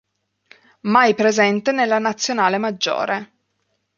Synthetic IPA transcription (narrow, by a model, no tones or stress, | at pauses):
majpɾezɛnt̪enelːanat̪sːjonaːlemad͡ʒːo̰ːɾe